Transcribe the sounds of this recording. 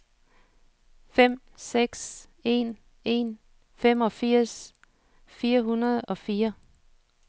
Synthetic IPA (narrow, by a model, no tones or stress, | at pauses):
fem̰ | seɡ̥s | e̝n | e̝n | fem̰ɒ̽fiɐ̰s | fiːɐɦunɐð̞̩ˠɒ̽fiːɐ